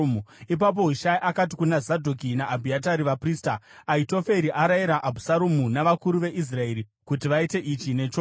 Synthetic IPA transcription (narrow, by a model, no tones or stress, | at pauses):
muip̬ap̬o̞ɦiʃaiʔakati̥kunazadʱokinaʔːbʱiataɾiʋapriːstaaito̞fe̞ɾiʔaɾaiɾaʔːbʱusaɾomunaʋakuɾuʋe̞ʔis̬rae̞ɾi | kutiʋaite̞ʔit͡ʃine̞ːt͡ʃo